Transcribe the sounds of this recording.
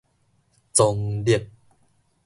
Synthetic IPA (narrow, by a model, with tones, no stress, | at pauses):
t͡so˧ŋdi˨˩ət̪̚